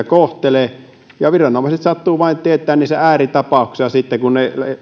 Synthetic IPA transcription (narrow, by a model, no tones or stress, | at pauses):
koht̪ele | jɑʋirɑnomɑˑiset̪sɑt̪ːuːʋɑint̪iet̪ːˑæːnniːsææːrit̪ɑpɑˑuksisɑsit̪ːekunnel